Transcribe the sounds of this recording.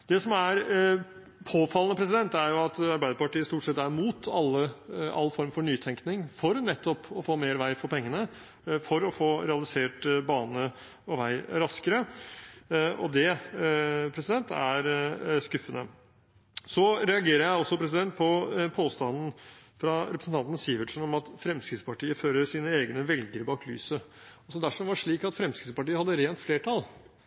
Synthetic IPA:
d̪̥ɛsɔmæɾ | pʰoːfɑlənəpʰɾɛs̬ɪd̪ɛnt̪æɾjʊɑt̪ɑɾbæɪd̪əpɑʈiːəst̪uːʈsɛt̪ːæɾmuːt̪ʰɑlːəɑ̰lːfɔɾmfɔɳyːt̪ʰɛŋknɪŋfɔɾnɛt̪ʰːɔpɔfoːmeːɾʋæɪfɔɾpʰɛŋːənə | fɔɾɔfoːɾɛɑlɪseːʈbɑːnə | ɔʋæɪɾɑskəɾə | ɔ̰d̪ɛ | pʰɾɛsɪd̪ɛnt̪æ̰ɾskʉfːənə | sɔɾɛɑɡeːɾəɾjæɪɔsːɔpʰɾɛs̬ɪd̪ɛnt̪̚pʰɔpʰoːst̪ɑnn̩fɾɑɾɛpɾəsnt̪ɑnt̪n̩sjiːʋəʈʂənɔmɑt̪fɾɛmskɾɪt̪spɑʈiːəføːɾəɾʂiːnəeːɡnəʋɛlɡəɾbɑːklyːsəɔsɔd̪æʂɔmʋɑʂɭiːkɑt̪fɾɛmskɾɪt̪spɑʈiːəhɑd̪ːəɾeːnt̪fleːʈʰɑl

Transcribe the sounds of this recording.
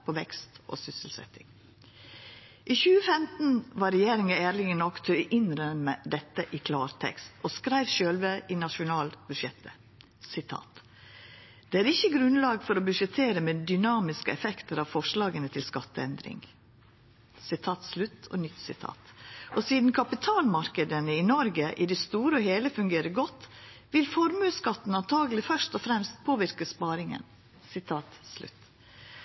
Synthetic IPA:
pʰɔʋɛkst̪ʔo̰ːsʏsəlsɛ̰t̪ːɪ̰ŋ | ʔiːçʉːəfɛmt̪n̩ʋɑɾɛjeːɾɪŋɑæːɾlɪŋənɔkt̪ʰœʏʔɪnɾœmːəd̪ɛt̪ːəʔɪkʰlɑːɾt̪ʰɛ̰kst̪ɔskɾæɪʋɕøːlʋəʔɪnɑʃʊnɑːlbʉʃɛt̪ə | sɪt̪ʰɑ̰ːt̪ | d̪̥ɛːæːɾɪçːəɡɾʉnlɑːɡfɔɾoːbʉʂɛt̪ʰeːɾəmed̪ʏnɑːmɪskəɛfɛkt̪əɾɑʋfɔʂlɑːɡənət̪ʰɪlskɑt̪ːəɛnd̪ɾɪ̰ŋ | sɪt̪ʰɑːt̪slʉt̪ːʰɔ̰ːnʏt̪sɪt̪ʰɑ̰ːt̪ʔɔsiːd̪n̩kʰɑpɪt̪ʰɑːlmɑɾkəd̪ənəɪnɔɾɡəʔɪd̪ɛst̪uːɾəɔheːləfʉŋɡeːɾəɡɔt̪ː | ʋɪlfɔɾmʉːskɑt̪ːn̩ɑnt̪ʰɑːɡəlɪfœʂt̪ɔfɾɛmst̪̚pʰoːʋɪɾkəspɑːɾɪŋə̰n | sɪt̪ʰɑːt̪slʉ̰t̪ː

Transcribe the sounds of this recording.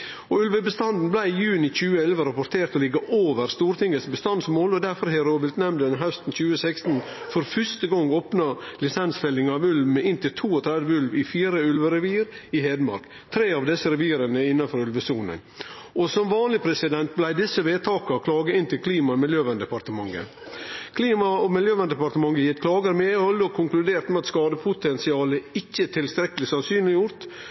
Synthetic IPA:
ɔʉlʋəbəst̪ɑnd̪n̩blæɪɪjʉːnɪc͡çʉːəɛlʋəɾɑpɔɾt̪ʰeːɾt̪ɔlɪɡəʔoːʋəɾst̪uːɾt̪ɪŋːəsbəst̪ɑnsmoːlɔd̪æɾfɔɾhɛɾoːʋɪlt̪nɛmnd̪ənɦœst̪n̩çʉːəsɛkst̪n̩ | fɔɾfœʂt̪əɡɔŋːoːpnɑlɪsɛnsfɛlɪŋɑːʋʉlʋmɛɪnt̪ɪlt̪ʰuːɔt̪ʰɾɛd̪ʋəʉlʋɪfiːɾəʉlʋəɾɛʋiːɾɪheːd̪mɑ̰ɾk | t̪ʰɾeːɑʋd̪ɛsːəɾɛʋiːɾənəɪnːɑnfɔɾʉlʋəsuːnə̰n | ɔsɔmʋɑːnlɪpʰɾɛsɪd̪ɛnt̪̚blæɪd̪ɪsːəʋeːt̪ʰɑːkəɔkʰlɑːɡəɪnt̪ɪlkʰliːmɑɔmɪljøːʋɛnd̪əpɑɾt̪əmɑŋːə̰ | kʰliːmɑɔmɪljøːʋɛnd̪ɛpɑɾt̪əmɑŋːəjɪt̪kʰlɑːɡəɾmɛhɔlːəɔkʰʊŋklʉd̪eːɾt̪mɛɑt̪skɑːd̪əpʰʊt̪ɛnsɪɑːləɪçːət̪ʰɪlst̪ɾɛkːəlɪsɑnsyːnlɪjʊɾt̪

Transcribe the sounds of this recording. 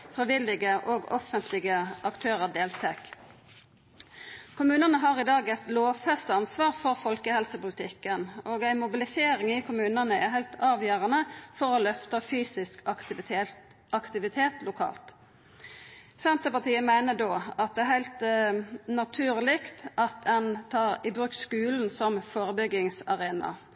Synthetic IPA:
fʁɪʋɪlɪɡəʔoɡɔfənt̪ʰlɪɡəʔɑkt̪ʰøːʁəd̪eːlt̪ʰɛk | kʰʊmʉːnənəɦɑːʁɪd̪ɑːɡɛt̪loːʋfɛst̪əɑnsʋɑːʁfɔʁfɔlkəhɛlsəpʊlɪt̪ʰɪkːənoːɡæɪmʊbɪlɪseːɾɪŋɪkʰʊmʉːnənəæɦæɪlt̪ʰɑːʋjøːʁənəfɔʁɔlœft̪əfyːsɪsk | ʔɑkt̪ɪʋɪt̪ʰeːt̪lʊkʰɑ̰ːlt̪ | sɛnt̪əpɑt̪iːəmæɪnəd̪oːɑt̪̚d̪ɛæɾhæɪlt̪ | nɑt̪ʰʉːʁlɪkt̪ʔɑt̪̚d̪ɛnt̪ʰɑːʁɪbʁʉːkskʉːln̩sɔmfoːɾəbʏɡɪŋsɑʁeːnɑ̰

